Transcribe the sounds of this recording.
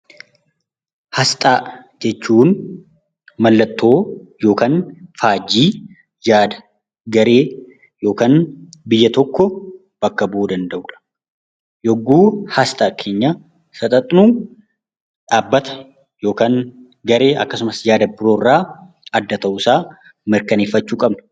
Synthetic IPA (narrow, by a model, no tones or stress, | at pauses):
hɐst̪ʼaː | d͡ʒɛt͡ʃːuːn | mɐlːɐt̪ːo̞ːjo̞ːkanfaːd͡ʒːiː | jaːd̪ɐ̥ | ɡɐɾe̞ː | jo̞ːkaːnbɪjːɐt̪ɔkːɔ | b̥ɐkːɐboːd̪ɐnd̪ɐʔuᶑɐ̥ | jɔɡːuːhast̪ʼaːkʰe̞ːɲːa | sɐt̪ʼɐt̪ʼnuː | ᶑaːbːɐt̪ɐ̥ | jo̞ːkaːn | ɡɐɾe̞ːʔɐkːɐsʊmɐsjaːd̪ɐbɪɾoːrːaː | ɐd̪ːɐt̪ɐʔusaː | mɪɾkɐneːfːɐt͡ʃːuːkʼɐbnɐ̥